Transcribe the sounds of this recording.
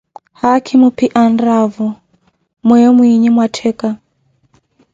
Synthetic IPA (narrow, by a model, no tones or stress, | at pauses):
hakʰimupiʔanɾavɔ | mwɛjɔmwiɲimwatʰɛka